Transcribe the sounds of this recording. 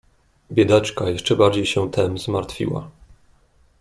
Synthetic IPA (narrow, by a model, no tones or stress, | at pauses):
bʲjɛd̪at͡ʂkajɛʂt͡ʂɛbaɾd͡ʑejɕɛt̪ʰɛmzmaɾt̪fʲḭwa̰